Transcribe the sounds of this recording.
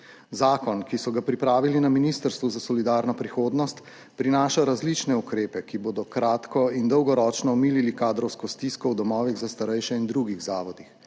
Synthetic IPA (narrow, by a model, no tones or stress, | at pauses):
zaːkɔnkisɔɡapɾipɾaːʋilinaminist̪əɾst̪ʋuzasɔlid̪aːɾnɔpɾixoːd̪nɔst̪ | pɾinaːʃaɾazlit͡ʃnɛukɾeːpɛkiboːd̪ɔkɾaːt̪kɔind̪ɔwɡɔɾɔːt͡ʃnɔɔmiːlilikaːd̪ɾɔwskɔst̪iskɔwd̪ɔmɔːʋiɣzast̪aɾɛjʃɛind̪ɾuɡiɣzaːʋɔd̪ix